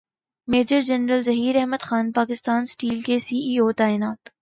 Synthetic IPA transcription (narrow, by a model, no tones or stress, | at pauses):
meːd͡ʒəɾd͡ʒɐnɾəlzɐɦiːɾɛɦməd̪xaːnpaːkɪst̪aːnsʈiːlkesiːʔiːoːt̪aːɪnaːt̪